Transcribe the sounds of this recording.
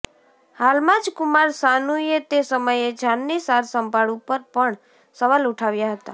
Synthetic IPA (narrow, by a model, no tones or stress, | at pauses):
halmãd͡ʒkʊmaɾsanuiet̪esəməjed͡ʒʱanːisaɾsəmbaɽupəɾpəɳ | səʋaluʈʰaʋjaɦət̪a̰